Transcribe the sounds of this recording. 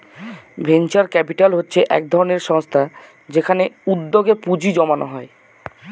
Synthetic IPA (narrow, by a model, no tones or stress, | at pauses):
bʱent͡ɕaɾkɛpiʈalɦotːɕʰeʔɛ̰k̚d̪ʱɔɾoneɾʃɔŋst̪ʰa | d͡ʑekʰaneud̪ːoɡepud͡ʑid͡ʑɔmanoɦɔe